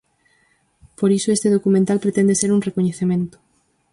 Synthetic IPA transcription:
poɾisoest̪eð̞okumẽnt̪alpɾet̪ẽnd̪eseɾunrekoɲeθemẽnt̪ʊ̥

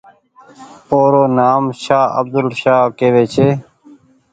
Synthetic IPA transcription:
oːɾoːnaːmʃaːə̰b̚d̪əlʃaːkeːʋeːt͡ʃʰeː

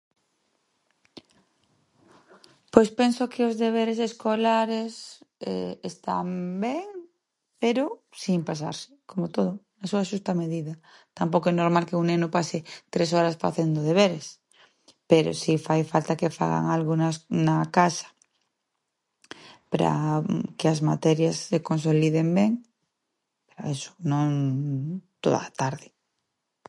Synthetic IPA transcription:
pojspensokʰeozðeβ̞eɾeseskolaɾeseest̪a̰mbeŋ | peɾosimpas̬a̰ɾsɪ̥komot̪oðʊnasuaʃust̪ameðiða | t̪ampokoenoɾmalkeunẽnopaset̪ɾesoɾasfa̰θend̪oðeβ̞eɾes | peɾo̰sifajfalt̪akefa̰ɣa̰ŋalɣonasnakasḁ | paɾa̰keazmat̪eɾjasːekons̬oliðembeŋ | peɾoeso̥nõŋ | t̪o̰ða̰t̪aɾðɪ

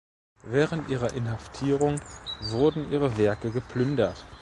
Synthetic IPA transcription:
vɛːʁəntʔiːʁɐʔɪnhaftʰiːʁʊŋvʊɐdn̩ʔiːʁəvɛɐkəɡəpʰlʏndɐt

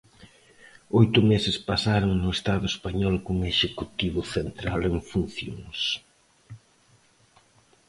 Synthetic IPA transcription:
ɔjt̪ʊmesɪspasaɾoŋnʊest̪aðʊespaɲɔlkoŋeʃekut̪iβʊθent̪ɾaleŋfun̟θjo̰ŋs

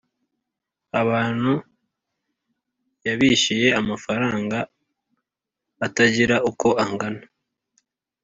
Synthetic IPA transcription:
aβaːn̥hu | jaβiʃije̞amafaɾaːŋɡa | taɟiɾauko̞aŋɡana

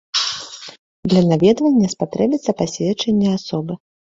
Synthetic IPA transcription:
d̪lʲɐnavʲɛd̪vɐnʲːɐspat̪ɾɛbʲit̪sːɐpasʲvʲɛt͡ʂɛnʲːɛasɔbɨ

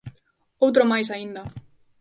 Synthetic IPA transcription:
owt̪̬ɾomɑjs̬ɑind̪ɑ

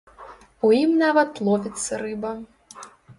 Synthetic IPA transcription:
ujimnavɐt̪lˠɔvʲit̪sːɐɾɨbɐ

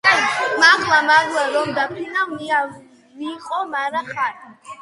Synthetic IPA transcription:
makʰlamaɾwaɾɔmd̪apʰinawmia | viqʼɔmaɾaχat̪i

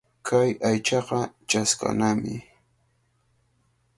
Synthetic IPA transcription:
kʰajajt͡ʃɑqɑt͡ʃaska̰namɪ

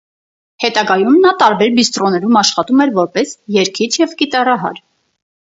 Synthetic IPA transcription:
hɛt̪ɑɡɑjumnɑt̪ɑɾbɛɾbist̪ɾɔnɛɾumɑʃχɑt̪umɛɾvɔɾpɛsjɛɾkʰit͡ʃʰjɛvkit̪ɑrɑɦɑ̰ɾ

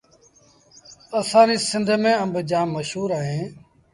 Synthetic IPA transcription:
əsãːɾĩːsɪnd̪ʱmẽːəmbʱd͡ʒãːmːəʃɦuːɾaːɦẽː

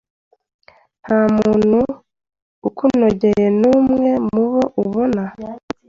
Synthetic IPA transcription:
n̥haːmuuːn̥huː | kuno̞ɟe̞jenuːmŋe̞muβo̞ʔuβo̞na

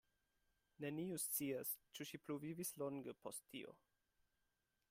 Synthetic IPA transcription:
neniustt͡siast͡ʃuʃipluvivislɔŋɡəpʰɔstʰːio̰

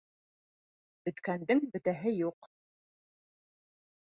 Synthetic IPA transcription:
bɵ̆t̪kænd̪ɘŋbɵ̆t̪æɦɘjuq

